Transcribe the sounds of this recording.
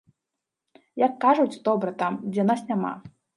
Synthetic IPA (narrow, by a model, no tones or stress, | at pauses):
jɐkːaʐut͡sʲd̪ɔbɾɐt̪amd͡zʲɛnasnʲama̰